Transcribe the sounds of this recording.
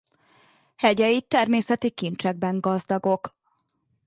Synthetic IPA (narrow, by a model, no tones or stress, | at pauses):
hɛɟɛjit̪ːɛrmeːsɛt̪ikint͡ʃɛɡ̚bɛŋɡɒzd̪ɒɡo̞k